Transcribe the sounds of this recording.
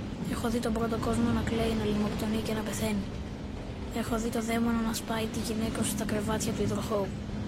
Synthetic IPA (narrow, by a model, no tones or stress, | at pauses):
e̞xo̞ðit̪o̞bɾo̞t̪o̞ko̞zmo̞nɐkle̞inɐlimo̞kt̪o̞nice̞nɐpe̞θe̞ni | e̞xo̞ðit̪o̞ðe̞mononɐspɐit̪iʝine̞kɐosst̪ɐkɾe̞vɐt̪çɐt̪uiðɾoxo